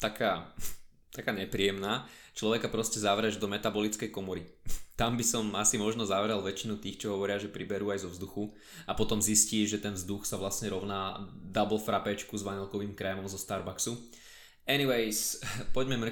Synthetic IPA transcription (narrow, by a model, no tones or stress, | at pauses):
t̪akaː | t̪akaːɲɛpɾiːɛmnaːt͡ʃlɔʋɛkapɾɔscɛzaʋɾɛʒd̪ɔmɛt̪abɔlit͡skɛjkɔmɔɾit̪ambisɔmasimɔʒnɔzaʋɾɛlˠʋɛt͡ʃinut̪iːxt͡ʃɔɦɔʋɔɾɪaʒɛpɾibɛɾuːajzɔʋzd̪uxu | apɔt̪ɔmzisciːʒɛt̪ɛnvzd̪uxsaʋlasɲɛɾɔʊnaːd̪abl̩fɾapɛt͡ʃkuzʋaɲɛlkɔʋiːmkɾɛmɔmzɔst̪aɾbaksu | ɛniʋɛɪspɔɟmɛmɾ